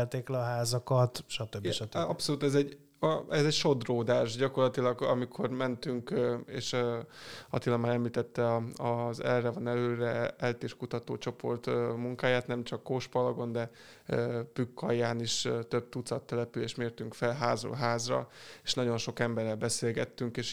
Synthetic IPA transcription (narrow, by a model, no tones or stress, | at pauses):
lt̪eːklɛɒɦaːzɒkɒt̪ʃɒt̪øbiʃɒɒpso̞luːt̪ɛzɛɟ | ɛzɛɟʃo̞d̪roːd̪aːʃɟɒko̞rlɒt̪ilɒɡɒ̰mikʰo̞rmɛnt̪yŋkḛːʃ | ɒ̰t̪ilɒmaːɾɛmliːt̪ɛt̪ːɛɒɒzɛrːɛvɒnɛløːɾɛɛlt̪eːrkut̪ɒt̪oːt͡ʃo̞po̞̰rt̪muŋkaːjaːt̪nɛmt͡ʃɒkːoʃpɒlɒɡo̞nd̪ɛ | pykːɒjːaːniʃt̪øb̚t̪ut̪sɒt̪ːɛlɛpyleːʃt̪meːrt̪yŋkfɛlɦaːzo̰lɦaːzrɒ̰eʃnɒɟo̞nʃo̞kɛmbɛrːɛlbɛseːlɡɛt̪ːyŋkeːʃ